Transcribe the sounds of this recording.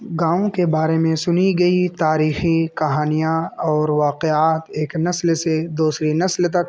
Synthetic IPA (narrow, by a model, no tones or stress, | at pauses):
ɡãːõkebaːɾemẽsʊniɡɐit̪aːɾiːxikɐɦaːnijaɔːɾʋaːqeaːt̪eːknɐslsed̪uːsɾinɐslt̪ɐk̚